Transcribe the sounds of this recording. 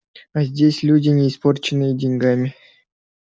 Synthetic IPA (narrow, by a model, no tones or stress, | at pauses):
azʲdʲesʲlʲudʲɪnʲeisport͡ɕɪnːɨjədʲenʲɡɑmʲɪ